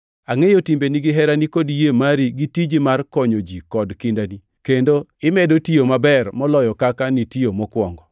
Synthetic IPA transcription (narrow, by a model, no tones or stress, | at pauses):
aŋejotimbeniɡɪɦɛɾanikodjemaɾiɡitid͡ʒimarkɔɲod͡ʒikɔdkɪndani | kendoɪmɛdotiomabɛrmɔlɔjɔkakanitiomɔkwɔŋɡɔ